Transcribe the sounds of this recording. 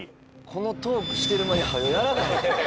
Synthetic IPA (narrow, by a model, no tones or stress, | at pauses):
kʰo̞no̞t̪o̞ːkɯ̟ɕi̥t̪e̞ɾɯ̟maɲʲihajojaɾabaɦ